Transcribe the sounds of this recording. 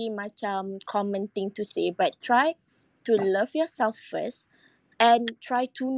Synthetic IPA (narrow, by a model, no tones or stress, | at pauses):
imat͡ʃãmkʰɔmə̃nt̪ĩŋtusebat̚tʰːɹaj | tuləvjɔsɛlffə̰s | ɛ̃ntʰɹajtʰun